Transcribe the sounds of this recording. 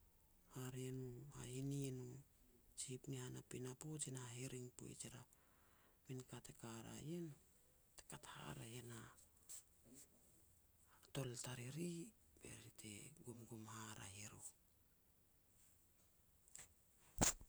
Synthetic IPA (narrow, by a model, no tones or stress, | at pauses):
haɾenuha̰inienu | t͡ʃipnihanapinapot͡ʃenaɦeɾiŋpo̰ḭt͡ʃeɾa | minkatekaɾa̰jen | te̥katha̰ɾajena | to̞ltaɾiɾibḛɾitʰeɡumɡumhaɾa̰ɦeɾo